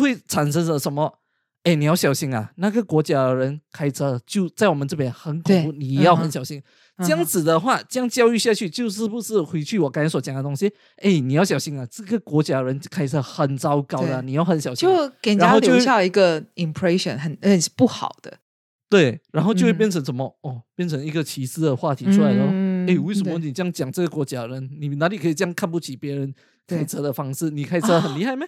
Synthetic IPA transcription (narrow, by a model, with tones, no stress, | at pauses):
xwe˥˩ɪʈ͡ʂʰa˨˩nʂə˥nlə˨ʂə˧˦˥nmə˧ | e˥˩ɪni˨˩jɑ˥˩ʊɕjɑ˨˩ʊɕi˧˥ŋɐ̰˨na˥˩ɡə˩kwɔ˧˥t͡ɕja˥əɻə˧˥nkʰa˥ɪt͡sʰə˧˥t͡ɕjo˥˧ʊt͡sa˥˩ɪwɔ˨˩mə˦nt͡sɤ˥˩p̬jɛ˨˦nxə˧˦nkʰo˨˦˧u˥˩ni˨˩˧jɑ˥˩ʊxə˧˦nɕjɑ˨˩ʊɕi˧˥ŋ | t͡ɕjɑ˥ŋt͡sɹ̩˨˩d̪ə˦xwa˥˩t͡ɕjɑ˥ŋt͡ɕjɑ˥˧ʊy˥˧ɕja˥˧t͡ɕʰy˥˩t͡ɕjo˥˧ʊʂ̬ɻ̩˥˩pu˧˥ʂɻ̩˥˩xwe˧˥ɪt͡ɕʰy˥˩wɔ˨˩ka˥i˧˥nswɔ˦˥t͡ɕjɑ˨˩ŋd̪ə˧˦t̪ʊ˥ŋɕi˧ | e˥˩ɪni˨jʊɕjɑ˨˩ʊɕi˧˥ŋa˨ʈ͡ʂɤ˥˩ɡə˩kwɔ˧˥t͡ɕja˥˩˧ɻə˧˦nkʰa˥ɪt͡sʰə˧˥xə˨˩nt͡sɑ˥ʊkɑ˥ʊd̪ə˨ni˨˩ja˥˩ʊxə˧˦nɕjɑ˨˩ʊt͡ɕjo˥˧˩ʊka˨˩nɻa˧˦nxo˥˧ijo˥˧ɕjɑ˥˧˩i˧˥ɡə˨i˨˩mpʰɹɛ˥ʂə̰˨nxə˨˩n˥˧˩pu˥˩xɑ̰˨˩ʊd̪̥ə̰˦ | t̪we˥˩ɪɻa˧˥nxo˥˧ʊt͡ɕjo˥˧we˥˧pjɛ˥˨nt͡sʰə˧˥ŋʂə˨˩˦mɔ˨˦ɔ˥˩pjɛ˥˩nt͡sʰə˧˥ŋi˧˥ɡə˨t͡ɕʰi˧˥sɹ̩˥˩d̪ə˨xwa˥˩t̪ʰi˧˥ʈ͡ʂʰu˥˧la˧˦ɪd̪ə˧˥˩e˥˩ɪwe˥˩ʂə˨mə˧ni˨˩jɑ˥ŋt͡ɕjɑ˨˩ŋʈ͡ʂɤ˥˩ɡə˩kwɔ˧˥t͡ɕja˥ə˨ɻə˧˦nni˨˩na˧˥li˨˩kʰə˧˥i˨˩t͡ɕjŋkʰa˥˧np̬u˥˩t͡ɕʰi˨˩pjɛ˧˥ɻə˧˦n | kʰɪt͡sʰɤ˧˥d̪ə˨fɑ˥ŋʂɻ̩˥˩ni˨˩kʰa˥ɪ˩ə˦˧˩xə˨˩nli˧˥xa˥˩ɪma˧˦